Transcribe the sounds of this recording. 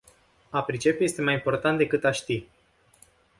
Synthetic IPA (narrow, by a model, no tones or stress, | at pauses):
apɾit͡ʃe̞peje̞st̪e̞majimpo̞rt̪ant̪d̪e̞kɨt̪aʃt̪i